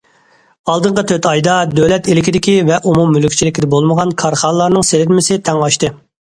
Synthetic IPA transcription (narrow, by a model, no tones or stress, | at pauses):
ɑlˠd̪ɨɴqət̪ʰøt̪ʰɑjd̪ɑd̪ølɛt̪elɪkʲid̪ɪkʲivɛʔumumːylykʲt͡ʃʰilɪkʲid̪ɛbolˠməʁɑnkʰɑɾχɑnlˠɑɾnɨŋseɾɪɾmɪsɪt̪ʰɛŋɑʃt̪ɨ